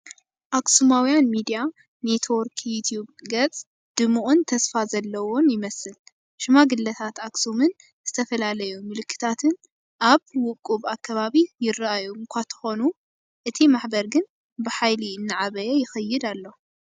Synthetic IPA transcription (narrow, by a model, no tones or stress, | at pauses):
ʔaksumawijanmid̪ija | net̪ʰwoɾkʰjut̪ʰjubɡɐt͡sʼ | d̪̥ɨmuʔʼunt̪ʰɐsfazɐlːɐwo̞njɪmɐsɨl | ʃɨmaɡɨlːɐt̪ʰat̪aksumɨn | z̥ɨt̪ʰɐfɐlalɐjumɨlɨkʰːɨ̥t̪ʰat̪ʰɨn | ʔaβwʊkʼːuβakːɐβaβijɪraʔajuŋkʷʰat̪ʰɨ̥xo̞nu | ʔɨt̪ʰimaħbɐɾɡɨn | bɨħajliɨnːɨʕaβɐjɛjɪxɐjːɪd̪alːo̞